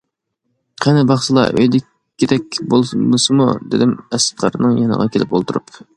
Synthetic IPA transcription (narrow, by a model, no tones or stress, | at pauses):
qʰɛnɪbɑχʃɨlˠɑ̰ʔøjd̪ɪkʰʲː | id̪ɛk̚ʲbosɨmṵd̪ɪd̪ɪmɛst̪̚qʰɑ̰ɾnɨŋjɑnə̰ʁɑkʲʰelʔɪpolˠt̪ʰuɾup